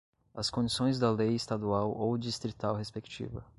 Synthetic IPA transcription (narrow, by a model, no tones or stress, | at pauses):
ɐskõd͡ʒisõj̃zd̪ɐlejɪst̪ad̪uawowd͡ʒist̪ɾit̪awɦespekt͡ʃḭvɐ̰